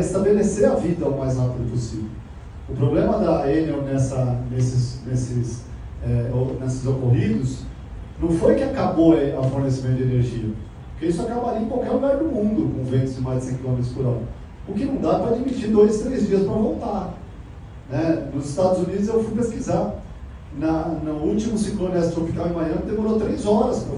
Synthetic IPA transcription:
ɪst̪abeleseɐvid̪ɐʊmajzapid̪ʊposivew | ʊpɾoblẽmɐd̪ɐenewnɛsɐnesɪznesɪs | ɛonesɪzokoɦid̪ʊs | nɐ̃w̃fojkɪakaboeafoɾnes̬imẽt̪ʊd͡ʒeneɾʒiɐ | pʊɾkeisʊakabaɾiɐẽkawkɛɾluɡaɾd̪ʊmũd̪ʊkõvẽnt̪ʊzd͡ʒɪmajzd͡ʒɪsẽj̃kilomet̪ɾʊspʊɾɔɾɐ | ʊkɪnɐ̃w̃d̪apɾɐad͡ʒimit͡ʃiɾd̪ojzt̪ɾejzd͡ʒiɐspɾɐvõwt̪a | nɛnʊzɪst̪ad̪ʊzunid̪ʊzewfujpeskizaɾ | nɐnʊut͡ʃimʊsĩklõnɪɛsfofik̪avẽmɐ̃j̃ɐ̃d̪emoɾot̪ɾejzɔɾɐspɾɐ

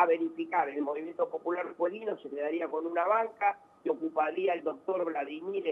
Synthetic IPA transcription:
aβe̞ɾifikaɾelmo̞βimje̞nt̪opo̞pulaɾpweɣinose̞keðaɾiako̞nunaβaŋka | ko̞kupaɾiaeld̪o̞k̚t̪o̞ɾβlaðimiɾe

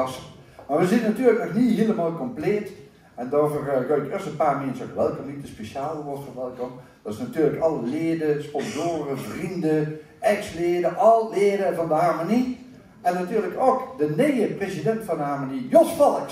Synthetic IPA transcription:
smarʋəzitənatyːələknɔxnihiəlˠəmaːlˠkɔmpleːt | ɛndɔvərɡœjtɪstənpaːrmensəokʋɛlˠkɔmit̚dəspeʃjaːlˠəʋɔtfɔnʋɛlˠkɔm | d̥ɔɪsnatyːrləkɑlˠəleːədəspɔnzoːɾəvrində | ʔɛksleːədəʔɔlˠleːdəvɑndəɦamoni | ɛnːatyːləkokdəneːəprezidɛntfɔndəharmonijosfɔlˠk

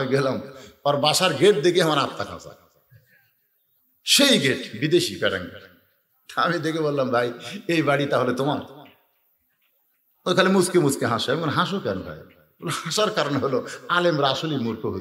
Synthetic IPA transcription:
iɡelamɔɾbaʃaɾɡeʈ̚d̪eɡieɦamaɾatt̪akʰã̰sa̰ | ʃejɡeʈbid̪eʃipɛɾa̰ŋ | t̪a̰mid̪ekʰebolːambʱajejbaɽit̪aɦolet̪omam | ojkʰalemuskemuskeɦãsoɛmikonɦãʃokɛnobʱa̰j | bolohãʃaɾkaɾonɦoloalemɾasolimuɾkʰoɦo

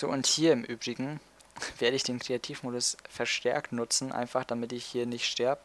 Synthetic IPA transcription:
z̥o̰ːʊnthiːɐɪmʔyːbʁɪɡŋ̩ | veːɐɾəɪçd̥eːnkʁ̥eatʰiːfmoːdʊsfɛɐʃtʰɛɐktnʊt͡sn̩ʔa̰ɪnfaχd̥amɪtɪçhiːɐnɪçtʃtɛɐbə

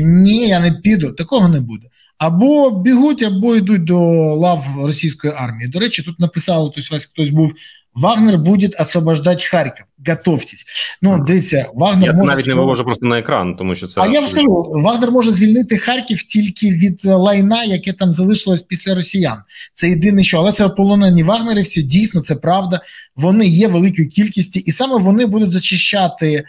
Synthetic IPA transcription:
nʲijanɛpʲid̪ʊt̪ɐkɔɦɔnɛbud̪ɛ | ɐbɔbʲiɦutʲɐbɔid̪ut̚ʲd̪ɔlˠɑʋrɔsʲijsʲkɔjiɑrmʲijid̪ɔɾɛt͡ʃɪt̪ut̪nɐpɪsɑlˠɐt̪ɔsʲʋɑsʲxt̪ɔsʲbuw | ʋɑɣnerbudʲɪt̪ɐsʋɐbɐʒd̪atʲxarʲkʲiwɡɐt̪ɔwtʲɪ̥sʲnud̪ɐʋʲisʲːɐʋɑɣnɛmɔɔnaʋʲitʲnɛʋɪʋɔʐʊpɾɔst̪ɔnɐekɾɑ̰nt̪ɔmuʃːɔsɛɐjakɐʒuʋɑɣnɛrmɔʐɛzʲʋʲilʲnɪt̪ɪxɑrʲkʲiwtʲilʲkɪʋʲid̪lˠɐjnɑjɐkɛt̪ɑmzɐlˠɪʃɪlˠɔsʲpʲisʲlʲɐɾɔsʲijant̪sɛjɪd̪ɪnɪʃɔɐlˠɛt̪sɛpɔlˠɔnɛnʲːiʋɑɣneɾʲiwsʲɛdʲijsʲnɔt̪sɛpɾɑʋd̪ɐʋɔnɪjɛʋelˠɪkʊjikʲilʲkʲisʲtʲiʔisɑmɛʋɔnɪbud̪ʊtʲzɐt͡ʃɪʃt͡ʃːat̪ɪ

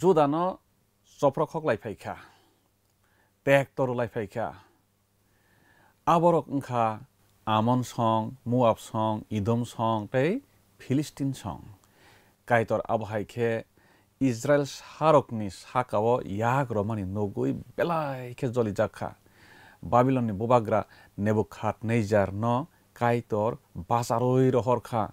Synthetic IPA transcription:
d͡ʒud̪anɔ | t͡ʃɔpɾɔkʰɔklajpʰajkʰa̰ | tɛk̚tɔɾulajpʰajkʰa̰ | abɔɾɔkŋ̩kʰaː | mɔnsɔŋmuap̚sɔŋid̪ɔmsɔŋpej | pʰilistinsɔ̰ŋ | kajt̪ɔɾa̰bɔɦajkʰɛ | isɾaelsaɾɔknisakawɔjaɡɾɔmaninoɡujbɛlajkʰɛzɔlid͡ʒakʰːa̰ | babilɔnːibɔbaɡɾa | nebukʰːat̚nejzaɾnɔ | kajtɔɾbasaɾojɾɔɦɔɾkʰa

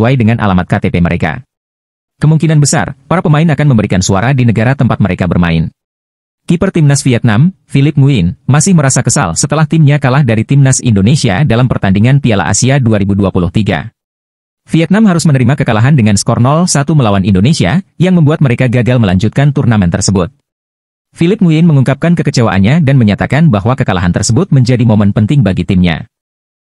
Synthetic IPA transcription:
uajdəŋanʔa̰lamat̪̚kat̪epeməɾʔeka̰ | kəmuŋkinanbəsa̰rpaɾapəmaɪnakanməmbəɾikansua̰ɾadinəɡaɾat̪əmpat̪̚məɾekabə̰rma̰ɪ̰n | kipərt̪imnasfiɛt̪̚namfilɪp̚ŋuɪnːasɪhməɾasakəsa̰lsət̪əlaht̪ɪmɲakalahdaɾit̪imnasḭndonesia̰dalampərt̪andiŋanpiala̰ʔa̰siaduaɾibuduapulʊht̪iɡa̰ | fiɛt̪̚namɦaɾʊsmənəɾimakəkalaɦandəŋanskɔrnɔlsat̪uməlawanindonesia̰jaŋməmbuat̪̚məɾekaɡaɡalməlaɲd͡ʒut̪̚kant̪urnamɛnt̪ərsəbʊt̪̚ | filɪp̚ŋuɪnməŋuŋkap̚kankəkət͡ʃewa̰ʔa̰nɲadanməɲat̪akanbaɦwakəkala̰ɦant̪ərsəbʊt̪̚məɲd͡ʒadimomɛnpənt̪ɪŋbaɡit̪ɪmɲa̰

